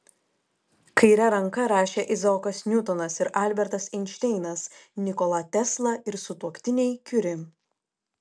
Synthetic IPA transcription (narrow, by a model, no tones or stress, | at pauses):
kɐɪɾʲɛɾɐŋkɐɾɑːʃʲeːʔɪzɐɔkɐsnʲʊt̪ɔnɐsɪɾʔɑˑlʲbʲɛɾt̪ɐsɪnʲʃʲt̪ʲɛɪnɐsnʲɪkɔlˠɐt̪ʲɛslˠɐʔɪɾsʊt̪uɔkt̪ʲɪnʲɛjkʲʊɾʲɪ